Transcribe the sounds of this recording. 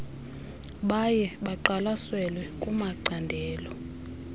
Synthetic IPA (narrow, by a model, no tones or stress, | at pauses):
ɓajɛɓaǃalasɛlwɛkʼumaǀandʱɛːlɔ